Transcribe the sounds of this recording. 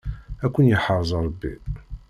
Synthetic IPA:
ækʷːənjəħəɾˤzˤɾˤəbːḭ

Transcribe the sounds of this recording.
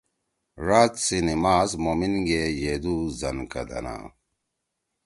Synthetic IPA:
ɾaːt̪sinimaːzmoːminɡejeːd̪uzɐnkɐd̪ɐ̰na̰ː

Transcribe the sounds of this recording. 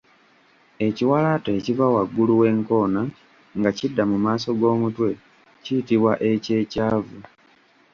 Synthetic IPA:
e̞ciwalate̞civawaɡːuluwe̞ːŋko̞ːna | ŋɡacidːamumaːso̞ɡo̞ːmutwe̞ | citiβwaʔe̞ce̞ːcaːvu

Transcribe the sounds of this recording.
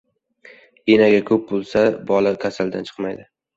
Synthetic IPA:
enaɡʲakʰɵp̚bolˠsabɒlakʲʰasald̪a̰nt͡ʃʰɨ̥qmajd̪ɪ

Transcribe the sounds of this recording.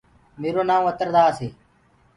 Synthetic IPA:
meːɾoːnaːmət̪əɾd̪aːseː

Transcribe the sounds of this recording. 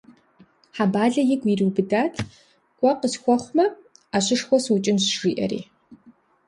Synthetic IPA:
ħabaːɮɐjɪɡʷiriːbɨdaːtʰ | ɡ̥ʷʼɔqəsxʷɔχʷmɐaːɕɪʂxʷɔsut͡ʃʼɪnɕʐ̥iːʔɐ̰rḭː

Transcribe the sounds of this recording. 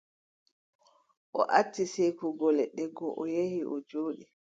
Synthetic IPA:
ʔɔ̰ʔatːisejkuɡɔlɛɗɛɡɔʔɔjehiʔɔd͡ʒoːɗi

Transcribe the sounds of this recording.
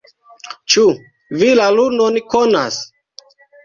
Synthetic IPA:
t͡ʃu | vilaluɾnonikona̰s

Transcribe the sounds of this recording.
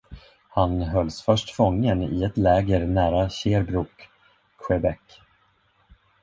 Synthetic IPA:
hanɦœlːsfœʂʈfɔŋːənɪ̰ɛt̪lɛːɡəɾnæːɾaɕeːɾbɾuːk | ɧɛbɛkː

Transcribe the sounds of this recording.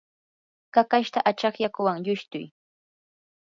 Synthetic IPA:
kakaʃt̪aʔat͡ʃɑχjakʊwaŋʎʊʃt̪ʊj

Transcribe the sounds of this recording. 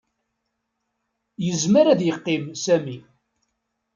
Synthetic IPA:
jəzməɾæðjəqːimsæmi

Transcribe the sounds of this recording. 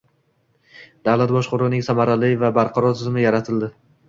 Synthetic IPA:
d̪avlˠat̪̚bɒʃqʊɾɪnɪŋsamaɾalɪjvabaɾqʰɑɾɒɾt̪ʰɪzmɪjaɾat̪ʰɪld̪ɪ

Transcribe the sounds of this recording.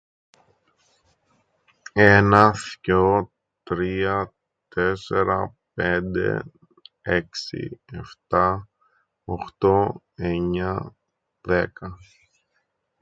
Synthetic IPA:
enɐθco | t̪ɾiɐ | t̪e̞se̞ɾɐ | pend̪e̞̰ | eksḭeft̪ɐ | oxt̪o̞ | e̞ɲɐ | ðekɐ

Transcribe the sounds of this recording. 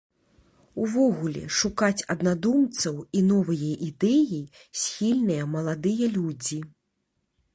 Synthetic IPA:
uvɔɣulʲɛ̰ʂukat͡sʲɐd̪nad̪umt̪sɐwinɔvɐjɐʔid̪ɛji | sʲxʲilʲnɨjɐmɐlˠad̪ɨjɐlʲud͡zʲi

